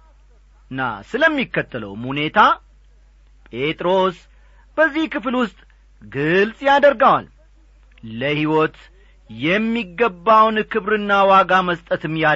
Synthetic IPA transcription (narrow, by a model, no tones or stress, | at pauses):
ɨnːa̰sɨləmːikːət̪ːələ̰wmhune̞t̪ʰa | pʼe̞t̪ʼɾos | b̥əzːihkɨflwʊst̪ʼ | ɡɨlsʼjad̪əɾɡawa̰l | ləhiwɔt̪ | jɛmːiɡːəbːawnkʰɨβɾɨnːawaɡaməst̪ʼət̪ɨmja